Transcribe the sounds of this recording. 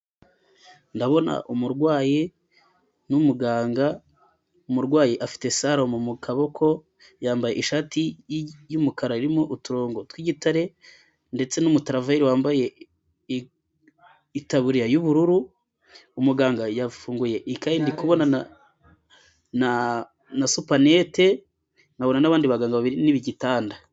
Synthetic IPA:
ndaβo̞na̰ʔumuɾɡwaːje | numuɡaːŋɡa | umuɾɡwaːjeʔafi̥te̞saɾo̞momukʰaβo̞kʰo̞ | jaːmbajeʔiʃaːtijumukaɾaiɾimoʔutuɾo̞ːŋɡo̞twiɟitaɾe̞ | nde̞t͡se̞numutaɾavaiɾiwaːmbaje̞ | itaβuɾiɾajuβuɾuɾu | umuɡaːŋɡajafuːŋɡuje̞ʔikajindikuβo̞nana | na | nasupanete̞ | naβo̞nanaβaːndiβaɡaːŋɡaβaβiɾiniβiɟitaːnda

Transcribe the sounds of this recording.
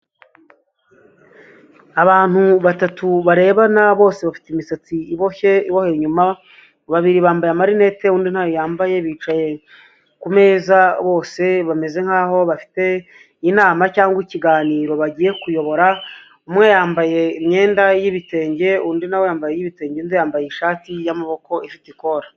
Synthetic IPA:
aβaːn̥huβatatuβaɾe̞ːβanaβo̞ːse̞βafi̥teimisat͡siiβoçeiβohe̞ɲuma | βaβiɾiβaːmbajamaɾine̞te̞uːndin̥hajojaːmbaje̞βiːt͡ʃaje̞ | kume̞ːzaβo̞ːse̞βame̞ze̞ŋ̥haːho̞βafi̥te̞ | inaːmacaːŋɡwiciɡaːniːɾo̞βaɟije̞kujo̞βo̞ɾa | umŋe̞jaːmbaje̞imɲe̞ːndajiβite̞ːɲɟe̞uːndinawejaːmbajejiβite̞ːɲɟenzejaːmbajeiʃaːtijamaβo̞ko̞ifitiko̞ɾa

